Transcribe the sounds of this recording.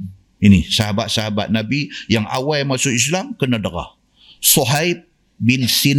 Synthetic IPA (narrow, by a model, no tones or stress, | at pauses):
inisaɦabat̪̚saɦaba̰t̪̚nabijaŋa̰wajmasʊʔislamkənədəɾa̰h | sɔɦajb̚ | bɪnsin